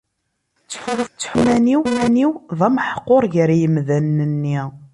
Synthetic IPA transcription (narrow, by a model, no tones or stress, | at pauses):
t͡sːħʊɾˤθt͡sːə̥ħmæniwæniwðˤɑmħə̥qːoɾˤʝəɾijəmðænːənːiʁ